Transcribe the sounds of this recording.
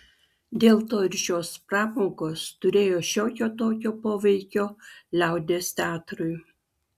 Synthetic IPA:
d̪ʲeːlˠt̪oːɪɾʃʲoːspɾɑːmoːɡoːst̪ʊɾʲeːjoːʃʲoːkʲoːt̪oːkʲoːpoːʋʲɛɪkʲoːlʲæˑʊd̪ʲeːst̪ʲæːt̪ɾʊɪ

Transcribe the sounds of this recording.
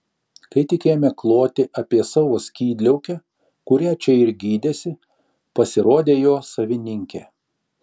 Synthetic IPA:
kɐɪt̪ʲɪkʲeːjomʲɛklˠoːt̪ʲɪʔɐpʲiɛsɑːʋoːsʲkʲiːd̪ʲlʲɛʊkʲɛ | kʊɾʲiːt͡ʃʲɛɪɾɡʲiːd̪ʲeːsʲɪ | pɐsʲɪɾoːd̪ʲeːjoːsɐʋʲɪnʲɪŋʲkʲɛː

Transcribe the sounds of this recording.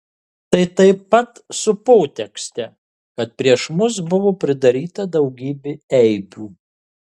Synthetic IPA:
t̪ɐɪt̪ɐɪpːɐt̪sʊpoːt̪ʲɛksʲt̪ʲɛ | kɐt̪̚pʲɾʲiɛʃmʊs̬bʊʋoːpʲɾʲɪd̪ɐɾʲiːt̪ɐd̪ɐʊɡʲiːbʲeɛɪbʲuː

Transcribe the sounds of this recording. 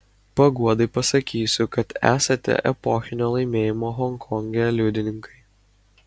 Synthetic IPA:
pɐɡuɔd̪ɐɪpɐsɐkʲiːsʲʊkɐt̪æ̰ːsɐt̪ʲɛ̰ʔɛ̰pɔxʲɪnʲoːlˠɐɪmʲeːjɪmoːɦɔŋkʰɔŋʲɡʲɛlʲʊd̪ʲɪnʲɪŋkɐɪ

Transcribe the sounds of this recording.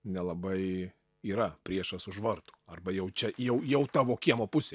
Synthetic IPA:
nʲɛlˠɐbɐɪ | iːɾɐpʲɾʲiɛʃɐsʊʒʋɐrt̪u̥ːɐrbɐjɛʊt͡ʃʲɛjɛʊjɛʊt̪ɑːʋoːkʲiɛmoːpʊsʲe

